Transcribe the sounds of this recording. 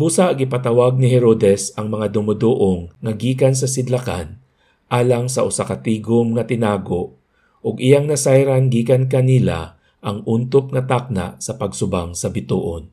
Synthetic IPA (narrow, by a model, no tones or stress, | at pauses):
buːsaɡɪpat̪ɐwaɡ̚nɪɦɛɾoːd̪ɛsɐŋmɐŋad̪ʊmʊd̪oʔoŋːɐɡiːkansɐsɪd̪laka̰n | ʔaːlaŋsɐʔʊsakɐt̪iːɡomŋɐt̪ɪnaːɡoʔ | ʔʊɡɪjaŋnɐsajɾanɡiːkankɐnila̰ | ʔɐŋʔunt̪op̚ŋɐt̪ak̚na̰ʔsɐpɐɡsʊbaŋsɐbɪt̪ṵːʔon